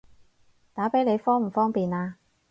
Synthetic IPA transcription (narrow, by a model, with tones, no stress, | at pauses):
t̪aː˨˥pe˨˥jne˨˧jfɔː˥ŋm̩˨˩fɔː˥ŋpiː˨naː˧